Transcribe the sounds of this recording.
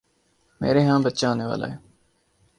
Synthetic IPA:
mḛːɾeːɦãːbət̪ːt͡ʃãːoːneːʋa̰ːla̰ːɦeː

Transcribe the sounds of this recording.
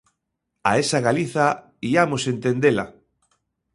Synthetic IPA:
a̰esaɣaliθa | iamosent̪end̪ela̰

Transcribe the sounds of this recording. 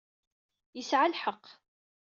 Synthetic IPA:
jəsʕalħəqː

